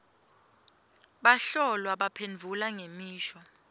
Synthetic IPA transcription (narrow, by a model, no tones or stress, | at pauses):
ɓaɬɔlwaɓapʰend͡vʱulaŋemiːʃɔ